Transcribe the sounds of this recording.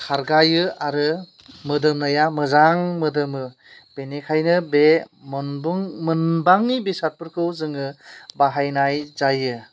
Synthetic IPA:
kʰaɾɡajɯaɾɯ | mɯdɯmnɯjamɯzaŋmɯdɯmɯ | b̥enekʰajnɯbemɯnbuŋmɯnbaŋnibesat̚pɯɾkʰɯwzɯŋɯbaɦajnajzajɯ

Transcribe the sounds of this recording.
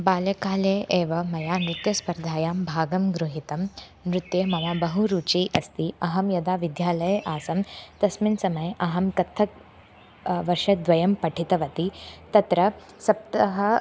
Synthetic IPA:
baːljɐkaːleːʔeːʋɐmɐjaːnɾut̪jɐspɐɾd̪ʱaːjaːmbʱaːɡɐmɡɾuɦit̪ɐm | nɾut̪jeːmɐʋaːbɐɦuɾuːt͡ʃiːʔɐst̪iɐɦɐmjɐd̪aːʋid̪jaːlɐjʔaːsɐmt̪ɐsminsɐmɐjɐɦɐmkɐt̪ʰːɐk | ʋɐɾʃɐd̪ʋɐjɐmpɐʈʰit̪ɐʋɐt̪it̪ɐt̪ɾɐ | sɐp̚t̪ɐɦɐ

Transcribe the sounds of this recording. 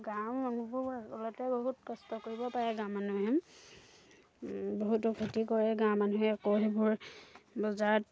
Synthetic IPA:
ɡawɔnubʊɔlɔtɛboɦutkɔstɔkoɹibɔpaɹɛɡãw̃manuɦɛm | boɦutokʰutikɔɹɛɡãwmanuɦɛakoɦebʊɹbɔzaɹɔt

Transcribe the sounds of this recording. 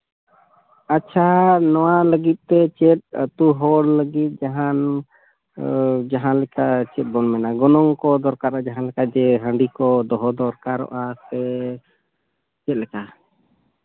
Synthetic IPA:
atːt͡ʃʰanɔwaləɡit̪̚ˀt̪ɛt͡ʃɛt̪̚t̪uɦɔɽləɡit̪̚ˀd͡ʒaɦan | d͡ʒaɦãlɛkat͡ʃɛt̪̚bɔnmɛnaɡɔnɔŋkɔd̪ɔɾkaɾad͡ʒaɦãlɛkad͡ʒɛɦə̃ɳɖikɔd̪ɔɦɔd̪ɔɾkaɾɔ̰ʔasɛ | t͡ʃɛt̪̚lɛka

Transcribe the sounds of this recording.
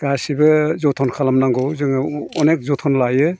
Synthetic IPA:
ɡ̥asibɯzɔtʰɔnkʰalamnaŋɡɔwzɯŋɔnek̚zɔtʰɔnlajɯ

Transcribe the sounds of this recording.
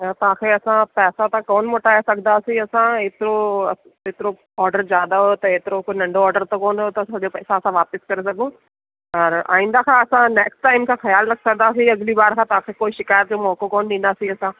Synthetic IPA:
at̪ɐʋãkʰeɐsãpɛːsat̪ãkoːnmoːʈaːesɐɡnd̪aːsĩɐsãeːt̪ɪɾo | eːt̪ɪɾo | ɔːɾɖəɾzjaːd̪aɦot̪ɐeːt̪ɪɾokonɐ̃ɳɖoɔːɾɖəɾt̪ɐkoːnɦot̪ɐɐʄopɐːsãɐsãʋaːpɪskɐɾesɐɡũ | ɐɾa̰ːĩːnd̪akʰãɐsãneːksʈʈaːɪmkʰãːxɐjaːlɾɐkʰsɐɡnaːsĩɐɡlibaːɾkʰãt̪ɐʋãkʰekoːiʃɪkaːjət̪̚d͡ʑoːmɔːkokoːnɗĩːn̆d̪aːsĩɐsã

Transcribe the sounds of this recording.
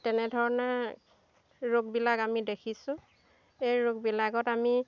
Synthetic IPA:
tɛnɛdʱɔɹɔnɔ | ɹoɡ̚bilakamidekʰisʊ̃ | ejɹoɡ̚bilaɡɔtami

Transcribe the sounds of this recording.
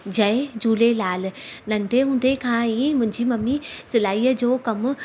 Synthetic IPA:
d͡ʑɐed͡ʑuːlelaːlnɐ̃nɖ̪ʱeɦũːn̆d̪ekʰãːiːmʊ̃ɪ̃ɲd͡ʑimɐmːisɪlaːiːəd͡ʑoːkɐm

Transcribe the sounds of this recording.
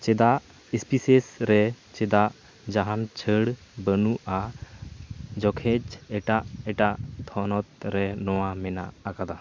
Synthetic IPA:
t͡ʃɛd̪aʔ | ispisesɾɛ | t͡ʃɛd̪aʔ | d͡ʒaɦant͡ʃʰəɽ | bənuʔa | d͡ʒɔkʰɛd͡ʒɛʈaʔɛʈaʔt̪ʰɔnɔt̪̚ɾɛnɔwamɛna̰ʔakad̪a

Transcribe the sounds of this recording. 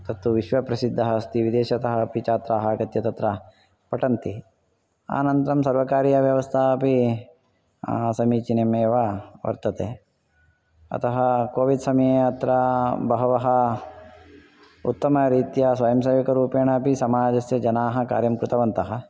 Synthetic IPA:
t̪ɐt̪ːuʋiʃʋɐpɾɐsid̪ʱːɐɦɐst̪iʋid̪eːʃɐt̪ɐɦɐpit͡ʃaːt̪ɾaːɦɐɡɐt̪jɐt̪ɐt̪ɾɐ | pɐʈɐnt̪i | a̰ːnɐnt̪ɐɾɐmsɐɾʋɐkaːɾjɐʋjɐʋɐst̪ʰaːɐpi | sɐmiːt͡ʃinemeːʋɐʋɐ̰ɾt̪ɐt̪eː | ɐ̰t̪ɐɦɐkoːʋid̪sɐmɐjeːɐt̪ɾɐbɐɦɐʋɐɦɐ | ṵt̪ːɐmɐɾiːt̪jɐsʋɐjɐmsɐːʋikɐɾuːpeːɳaːpisɐmaːd͡ʒɐsjɐd͡ʒɐnaːɦɐ̆ka̰ːɾjɐmkɾut̪ɐʋɐnt̪ɐɦɐ̆

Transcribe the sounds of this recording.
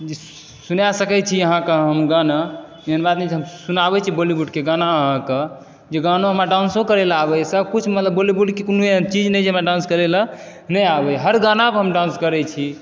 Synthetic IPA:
d͡ʒe | sunasəkɛt͡ʃʰiəɦãkeɦəmɡana | jeɦənbad̪nɛd͡ʒʰiɦəmsunabɛt͡ʃʰibolibuɖkeɡanaəɦãke | d͡ʒeɡanoɦəmɾaɖãnsokəɾelabɛsəb̚kut͡ʃʰmət̪ləbːolibuɖkekonuet͡ʃid͡ʒnɛd͡ʒʰeɦəmɾaɖãnskəɾelə | nɛjabɛɦəɾɡanapəɦəmɖãnskəɾɛt͡ʃʰi

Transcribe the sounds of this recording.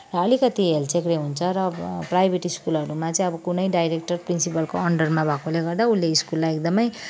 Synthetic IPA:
rʌʌlikʌt̪iɦelt͡sekɾeɦunt͡sʰʌɾʌprajbʱeʈiskulʌɾumat͡sʌĩʌbʌkunʌjɖajɾek̚ʈʌrprinsipʌlkoʌɳɖʌrmabʱʌkoleɡʌrd̪aulːeiskulːajek̚d̪ʌmʌj

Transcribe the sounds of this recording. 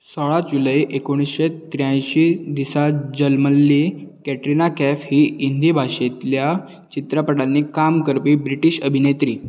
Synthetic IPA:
sɔɭad͡ʑuləjʔekoɽ̃isɕet̪ɾjãj̃ɕid̪isad͡ʑəlməlːikɛʈɾinakɛfɦiːind̪ʱiːbʱaɕet̪lja | t͡ɕit̪ɾəpəɽanːikamkəɾpiːbɾiʈiɕəbʱinet̪ɾiː

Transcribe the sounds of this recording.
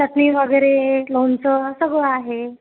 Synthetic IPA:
t̪ət̪niːʋəɡəjɾelont͡səsəɡɭəaɦe

